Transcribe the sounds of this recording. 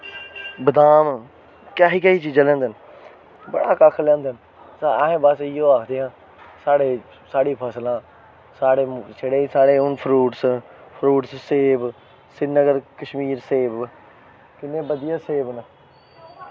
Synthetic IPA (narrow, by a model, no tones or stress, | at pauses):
bəd̪aːm | kaːɦiːkəːɦiːt͡ʃiːd͡ʒãːlɛ̃ːnd̪ən | bə̰ɽaːkaːkʰlɛ̃ːnd̪ən | saaɦẽːbəsijõːaːkʰd̪eːãː | saːɽeː | saːɽiːpʰəːslãː | saːɽeːseɽeːsaːɽeːʊnpʰɾuːʈspʰɾuːʈsseːb | sɪnːəɡəɾkəʃmiːɾseːb | kɪnːẽːbəd̪ɪjãːseːbn